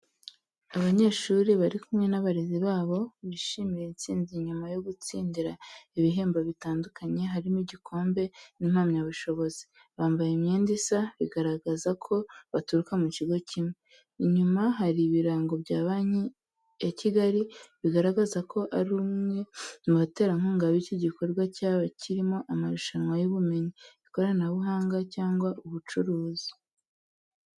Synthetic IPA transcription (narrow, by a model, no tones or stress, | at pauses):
aβaɲe̞ːʃuːɾiβaɾikumŋe̞naβaɾeziβaːβo̞βiʃiːmijent͡siːnziɲumajo̞ɡut͡siːndiɾaiβiɦe̞ːmboβitaːndukaɲe̞ɦaɾimuɟikʰo̞ːmbe̞nim̥hamɲaβuʃo̞βo̞zi̥ | βaːmbajemɲeːndisaβiɡaɾaɡazakʰo̞βatuɾukamuciɡo̞cʰimwe | iɲumaɦaɾiβiɾaːŋɡo̞bɟaːβaɲi | eciɡaɾiβiɡaɾaɡazakʰo̞ʔaɾumŋe̞muβate̞ːɾaŋ̥uːŋɡaβiciɟiko̞ɾɡwacaːβacʰiɾimo̞ʔamaɾuʃanwajuβume̞ɲiβikoɾanaβuɦaːŋɡacaːŋɡwaʔuβut͡ʃuɾuːzi̥